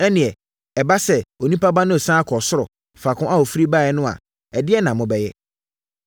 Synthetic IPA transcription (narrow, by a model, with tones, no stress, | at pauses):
ɛ˦nɪ̃˨ɛ˨ | ɛ˨ba˦sɛ˨o˨nĩ˦pʰa˦ba˦nʊ̃˦ɛ˨sãː˦kʰɔ˨sʊ˦ɾɔ˨ | fa˨kʰʊ̃˦a˦o˨fi˦ɾi˦ba˦ɛ˨nʊ̃˦a̰˨ | ɛ˨dɪ˦ɛ˦nã˨mʊ̃˨bɛ˨jɛ˦